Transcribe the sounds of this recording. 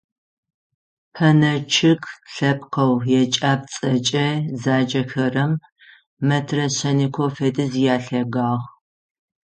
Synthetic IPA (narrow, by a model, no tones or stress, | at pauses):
pʰɐnɐt͡ʃʰɪkɬɐp̚qɐwjɛt͡ʃʼaːb̚t͡sʼɐt͡ʃʼɐzaːd͡ʒɐxɐrɐmː | ɐtʰrɐɕɐnikʷʰofɐdɨzijaːɬɐɡaːʁ